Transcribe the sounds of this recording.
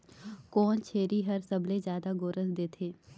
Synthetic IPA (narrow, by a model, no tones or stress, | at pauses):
kɔːnt͡ʃʰeːɾiɦɐɾsɐblezjaːd̪aɡoːɾəsd̪eːt̪ʰeː